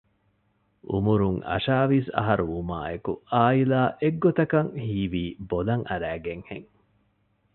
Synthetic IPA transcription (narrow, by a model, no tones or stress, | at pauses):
ʔṵmuɾuŋɐ̰ʃaːʋisɐ̰ɦɐɾuuma̰ːekṵaːilaːʔeɡːot̪ɐkɐŋhiːʋiːbolɐŋɐɾæːɡeŋheŋ